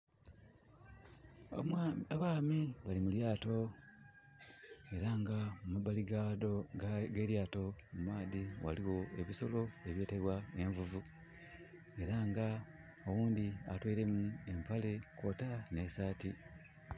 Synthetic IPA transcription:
maβaːmiβalimuljaːto̞ | e̞ɾaŋɡamumabaliɡadoɡe̞ːɾjaːto̞mumaːðiwa̰liwo̞e̞βiso̞lo̞e̞βje̞ːte̞βwae̞ɱvuvu | e̞ɾaŋɡa | owuːnd̪ia̰twe̞ːle̞mue̞mpale̞ko̞ːtane̞ːsaːti

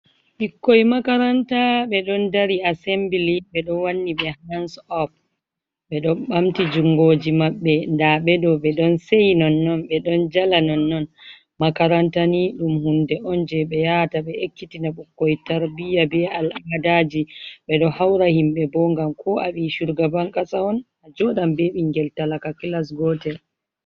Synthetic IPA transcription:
ɓikːɔjmakaɾantaɓɛɗɔndaɾiasɛmbiliɓɛɗɔwanːiɓɛhansɔp̚ | ɓɛɗɔɓamtid͡ʒuŋɡoːd͡ʒimaɓːɛndaɓɛɗɔɓɛɗɔnsejnɔnːɔnɓɛɗɔnd͡ʒalanɔnːɔn | makaɾantaniɗumhundɛʔɔnd͡ʒɛɓɛjataɓɛʔekːitinaɓukːɔjtaɾbijabɛalamadad͡ʒiɓɛɗɔhawɾahimɓɛbɔŋɡamkʰɔʔaɓiʃuɾɡabaŋkasaɔn | ad͡ʒɔɗambeɓiŋɡɛltalakakilas̬ɡɔtɛl

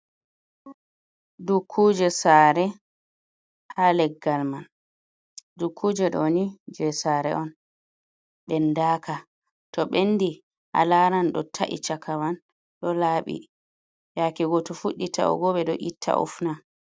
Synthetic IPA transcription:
dukʰːud͡ʒɛsaɾɛ | halɛɡːalman | dukʰːud͡ʒɛɗɔnid͡ʒɛsaɾɛ̰ʔɔn | ɓɛndaːka | tɔɓenːdi | ʔa̰laɾanɗɔ̰tʰaʔḭt͡ʃakʰawan | ɗɔlaɓḭ | jakɛɡɔtɔfuɗːita̰ɔ̰ɡɔɓɛɗɔʔitʰːa̰ʔṵfna

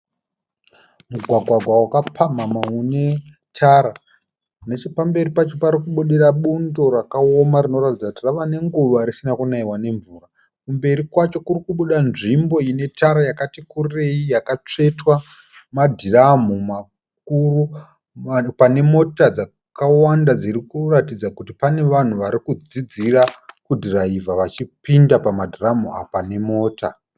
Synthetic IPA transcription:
muɡʱwaɡʱwaɡʱwawakapʰamamaune̞ | tʰaɾa | net͡ʃopambe̞ɾipat͡ʃo̞paɾikuɓuɗiraɓundo̞rakao̞maɾino̞ɾatid͡zakutiraʋane̞ŋɡuʋaɾisinakunaiwane̞ɱvuːra | kumbe̞ɾikwat͡ʃo̞kurikuɓuɗanʐimbo̞ine̞tʰaɾajakatikurire̞ijakat͡ʂe̞twa | madʱiramuma | k̚uru | pane̞mo̞tad͡za | kawandad͡ziɾikuratid͡zakutipane̞ʋan̤uʋaɾikud͡zid͡zirakudiraivaʋat͡ʃipindapamadʱiramua̰pane̞mo̞ːta̰

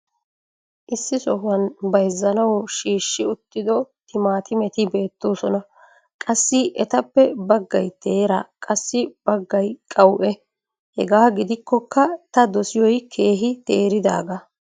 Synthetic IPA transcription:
ʔɪsːɪsɔhɐnbɐjzːɐnɐwʃiːʃːɪʊt̪ːɪd̪ɔt̪ɪmaːt̪ɪmɛt̪ɪbe̞ːt̪ːoːsɔnɐ | kʼɐsːɪʔɛt̪ɐpːɛbɐɡːɐjt̪ʰe̞ːɾɐ̰kʼɐsːɪb̥ɐɡːɐjkʼɐwʔɛ | hɛɡaːɡɪd̪ɪkːɔkːɐt̪ɐd̪ɔsɪjɔjkʰe̞ːɦɪt̪eːɾɪd̪a̰ːɡɐ

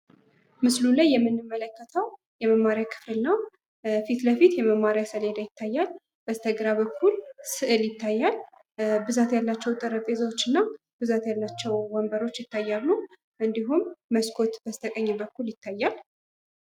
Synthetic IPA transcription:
mɨslulajːɛmːɨnːɨmːələkːət̪ʰəw | jɛməmːaɾjakʰɨ̥fɨlnəw | fit̪bəfit̪jɛməmːaɾjasəled̪ajɪt̪ʰːajːal | b̥əst̪ʰəɡɾaβəkʰːulsɨʔɨljɪt̪ʰːajːal | bɨzat̪jalːat͡ʃːɛwt̪ʼəɾəpʼezawot͡ʃːɨnːa | b̥ɨzat̪jalːat͡ʃːɛwwəmbəɾo̞t͡ʃːjɪt̪ːajːalːu | ʔɨnd̪iɦumːəskʰo̞t̪b̥əst̪ʰəkʼəɲːbəkːuljɪt̪ːajːal

